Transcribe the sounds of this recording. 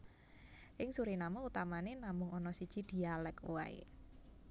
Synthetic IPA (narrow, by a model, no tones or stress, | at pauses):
ʔɪŋsuɾinamɔut̪amanenamʊŋɔnɔsid̥ʒ̥i̤d̪̥i̤alɛkwa̰ḛ